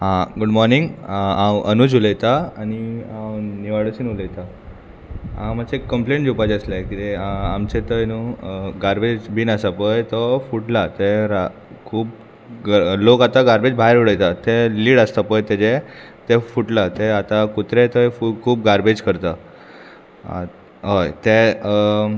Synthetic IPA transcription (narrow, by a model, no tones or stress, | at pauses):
ɦãɡuɖmɔɾniŋɡãwənud͡ʑuləjt̪aañiãwniʋaɽəɕinuləjt̪a | ɦãmat͡ɕekːəmplẽɳʈd͡ʑupad͡ʑəslekit̪eamt͡ɕet̪ənuɡaɾbed͡ʑbiːnasapəjt̪ɔfuʈlat̪eɾa | kʰuːb | lokat̪aɡaɾbed͡ʑbʱaɦeɾuɽəjt̪at̪eliːɽəst̪apəjt̪ed͡ʑe | t̪efuʈlat̪eat̪akut̪ɾet̪əjfukʰuːb̚ɡaɾbed͡ʑkəɾt̪a | a̰ | ɦəjt̪e